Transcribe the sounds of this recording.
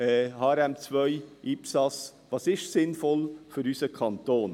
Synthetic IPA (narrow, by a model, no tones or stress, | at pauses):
ɛhɑːɛɾɛmt͡svœjʔipsɑsvɑːsɪʃsɪnfɔlføɾysəkʰɑnt̪oːn